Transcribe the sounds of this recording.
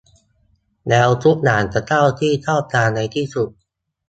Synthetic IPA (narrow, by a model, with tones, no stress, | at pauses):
nɛː˧wt̪u˦˥ʔ̚naː˩˦nt̪a˧˥t̪ʰa˥˩wt̪ʰiː˥˩t͡ɕ̪ʰɔː˥˩p̚t̪ʰaː˧na˧jt̪ʰiː˥˩su˨˩t̪̚